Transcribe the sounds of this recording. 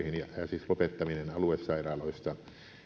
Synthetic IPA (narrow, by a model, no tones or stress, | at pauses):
hinjɑjɑsiːslopet̪ːɑminenɑluˑessɑˑirɑːloˑist̪ɑ